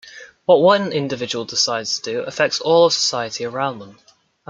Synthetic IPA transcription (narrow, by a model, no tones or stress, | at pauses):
wɒʔwʌ̃nɪ̃ndɪvɪd͡ʒəwəlˠdɪsaɪdz̥tʰəd̥əə̰fɛk̚tsɔːlˠəv̥sə̥saɪətʰiəɹãʊ̃nðə̃m | ə